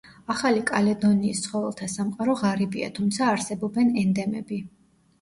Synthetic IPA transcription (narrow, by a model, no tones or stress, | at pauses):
aχalikʼalɛd̪ɔniːst̪sʰχɔvɛlˠt̪ʰasamqʼaɾɔʁaɾibia̰t̪ʰumt̪sʰaːɾsɛbɔbɛnɛnd̪ɛmɛ̰bi